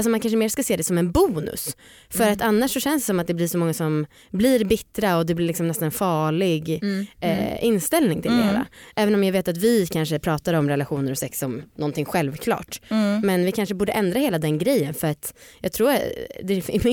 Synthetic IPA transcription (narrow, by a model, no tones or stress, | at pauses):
lsɔmankʰanʂ̬əmeːɾskaseːd̪ɛsɔmɛnbuːnɵ̰s | fœɾat̪anːaʂːɔɕɛnsd̪sɔmat̪̚d̪ɛblɪʂɔmɔŋːasɔm | blɪɾbɪt̪ːɾaɔd̪ɛblɪɾlɪksɔmnɛst̪anɛnfɑːɭɪɡ | ɪnst̪ɛlnɪŋt̪ʰɪld̪ɛhæ̰ːɾa̰ʔɛːvənɔmjaːveːt̪at̪vɪkʰanʂəpʰɾɑːt̪aɾɔmɾɛlaɧuːnəɾɔsɛksɔmnɔnt̪ɪŋɧɛlvkʰlɑ̰ːʈmɛnvɪkʰanʂəbuːɖəʔɛnd̪ɾaheːlad̪ɛnɡɾɛjːənfœɾat̪jɑːɡ̚t̪ʰɾuːɾad̪ɛɪ